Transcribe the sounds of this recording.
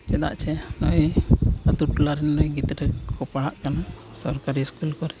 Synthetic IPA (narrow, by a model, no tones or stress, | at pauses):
t͡ʃɛd̪a̰ʔt͡ʃʰɛnɔjəd̪uʈlaɾɛnːɔjɡit̪ɾɛkkɔpaɽ̃aʔkanasɔɾkaɾiskulkɔɾɛ